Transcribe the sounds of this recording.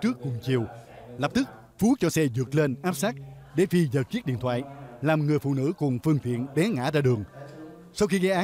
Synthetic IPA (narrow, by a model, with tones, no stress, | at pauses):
t͡ɕɨ˦˥əkːʊ˨˩ŋ͡mt͡ɕi˨˩əwlə˨˩p̚t̪ɨ˦˥k̚ | fu˨˦t͡ɕɔ˧sɛ˧zɨ˨˩ək̚le˧nʔaː˦˥p̚saː˦˥k̚ | ɗe˧˩fi˧zəː˨˩t͡ɕi˦˥t̚ɗḭ˧˨ət̪ʰwa̰ː˧˨jlaː˨˩mŋɨ˨˩əjfṵ˧˨nɨ̰˧˥kʊ˨˩ŋ͡mfɨ˧əŋt̪ʰḭ˧˨ənɗɛ˨˦ŋa̰ː˧˥zaː˧ɗɨ˨˩əŋ | sa˧wxi˧ɣa˧jʔaː˨˦